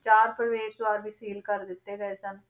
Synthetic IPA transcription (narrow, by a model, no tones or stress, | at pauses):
t͡ʃaːɾpɾəʋeːd͡ʒd̪ʊaːɾbʱiːsiːlkəɾd̪ɪt̪ːeːɡəesən